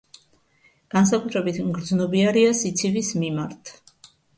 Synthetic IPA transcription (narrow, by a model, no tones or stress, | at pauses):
ɡ̥ans̬akʼut̪ʰɾɛbit̪ʰmɡɾd̪znɔbiaɾiasit̪sʰivismimaɾt̪ʰ